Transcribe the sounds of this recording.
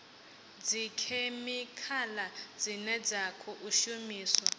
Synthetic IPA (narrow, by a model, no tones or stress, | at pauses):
d͡zikʰemikʰalad͡zinɛd͡zakʰɔʔuʃumiːswɔ